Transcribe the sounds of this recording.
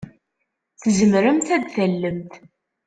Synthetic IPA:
θəzəmɾəmt̪æd̪θælːəmt̪

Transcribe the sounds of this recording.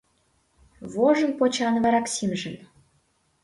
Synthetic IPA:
voʒə̆npot͡ɕʁɑnvɑɾɑksʲimʒɘ̆n

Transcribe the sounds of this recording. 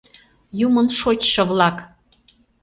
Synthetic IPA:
jumənʃot͡ɕʃɤ̆βlɑk

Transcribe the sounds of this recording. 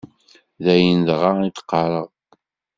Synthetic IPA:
ðæjəndʁɑit̪ə̥qːɑɾˤəʁˤ

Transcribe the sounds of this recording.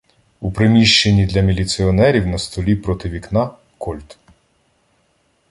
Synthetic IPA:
upɾemʲiʃt͡ʃe̞nʲːid̪lʲɐmʲilʲit̪sɪɔnɛɾʲiwnɐst̪ɔlʲipɾɔt̪ɪʋʲiknɑ | kʰɔlʲt̪

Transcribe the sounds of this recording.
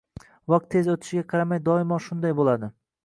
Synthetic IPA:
vɑq̚t̪ʰːe̞zot̪ʰɪ̥ʃɪɡʲaqʰɑɾamajd̪ɒɪmɒʃʊnd̪ajbolad̪ɪ

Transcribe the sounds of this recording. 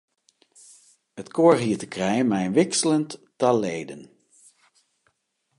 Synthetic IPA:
ətkoːɹɦiːɹtəkrɛjənmɛjənʋɪksələntːaleːdən

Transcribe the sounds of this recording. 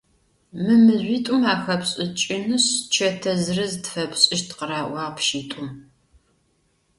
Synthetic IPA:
mɨmɨʑʷiːtʼʊmaːxɐpɕʼɪt͡ʃʼɪnɨɕt͡ʃʰɐtʰɐzɨrɐzdfɐpɕʼɪʃtʰqəɾaːʔʷɑːʁpʃiːtʼʊm

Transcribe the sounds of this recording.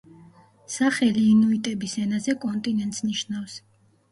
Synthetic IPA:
saχɛliːnuit̪ʼɛbisɛnazɛkʼɔnt̪ʼinɛnt̪ʼsniʃnafs

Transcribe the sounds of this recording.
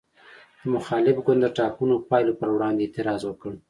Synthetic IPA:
d̪̥əmʊxɑlɪfɡʊnd̪ːəʈɑpunopɑjlopəɾwɽɑnd̪eːt̪ɪɾɑzwəkəɽ

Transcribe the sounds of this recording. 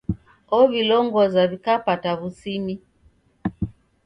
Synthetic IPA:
ɔβilɔŋɡɔzaβikapataβusimi

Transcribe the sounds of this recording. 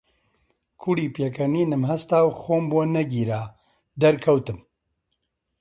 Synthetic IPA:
kʰuɽiːpeːkʰɐniːnɨmɦɐst̪aːwxoːmbuɐnɐɡiːɾaː | d̪ɐɾkʰɐwt̪ɨm

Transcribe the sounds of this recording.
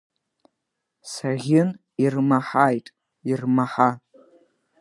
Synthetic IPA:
saʁʲɪn | irmaħajtʼ | irmaħa

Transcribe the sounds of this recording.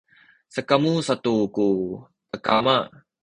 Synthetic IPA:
səkamusat̪uku | pəka̰maʔ

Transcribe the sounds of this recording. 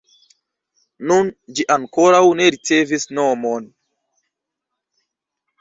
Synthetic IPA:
nund͡ʒiʔaŋko̞ɾawne̞ɾit͡se̞visno̞mon

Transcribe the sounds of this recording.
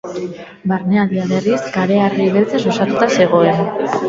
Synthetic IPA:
baɾneaðiaβe̞riskaɾe̞ariβelt͡seasosat̪ut̪ase̞ɣ̞o̞e̞n

